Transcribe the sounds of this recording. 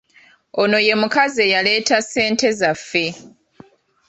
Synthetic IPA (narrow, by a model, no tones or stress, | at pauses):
o̞no̞je̞mukazejale̞ːtase̞ːnte̞zafːe̞